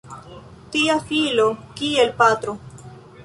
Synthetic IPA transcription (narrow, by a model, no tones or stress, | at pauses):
tiafilokielpat̪ɾo